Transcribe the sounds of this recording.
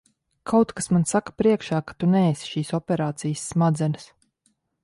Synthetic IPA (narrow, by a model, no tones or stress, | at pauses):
kʰawt̪kasmansakḁpɾiɛkʃaːkḁt̪unɛːsi̥ʃiːsɔpʲɛɾaːt̪sijəsːmad̪zɛnɨs